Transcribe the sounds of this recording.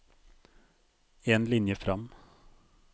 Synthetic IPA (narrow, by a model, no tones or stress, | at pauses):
eːnlɪnjəfɾɑm